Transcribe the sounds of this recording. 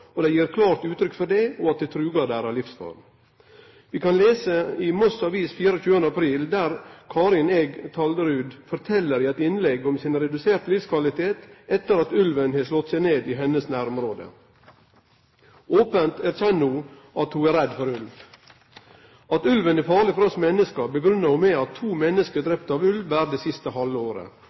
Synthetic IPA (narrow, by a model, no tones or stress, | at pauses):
ɔd̪ɛɪjiːɾkʰlɑːɾt̪ʉːt̪ɾʏkːfɔɖɛɔːɑt̪̚d̪ɛt̪ʰɾʉːɡɑd̪æːɾɑlɪfsfɑ̰ːɾ | ʋiːkʰɑnleːsəimɔsɑʋiːsfiːɾəçʉːənd̪əɑpʰɾiːld̪æːɾkʰɑːɾɪnɛɡt̪ʰɑːld̪əɾʉːd̪fɔɾt̪ʰɛlːəɾɪɛt̪ɪnlɛɡɔmsɪnɾɛd̪ʉseːɾt̪lɪfskʰʋɑlɪt̪ʰeːt̪ɛt̪ːəɾɑt̪ʉlʋənheːʂlɔt̪sɛɪneːd̪ɪɦɛnːəsnæːɾɔmɾoːd̪ə̰ | oːpənt̪ʰæːɾçɛnːuː | ɑt̪hʉæɾɛd̪fɔɾʉlʋ | ɑt̪ʉlʋənæfɑːɭɪfɔɾɔsmɛnəskɑbəɡɾʏnːəhʊːmɛːɑt̪ʰːuːmɛnːəskəd̪ɾɛpt̪ɑːʋʉlʋæːɾd̪eːsɪst̪əhɑlʋəoːɾə̰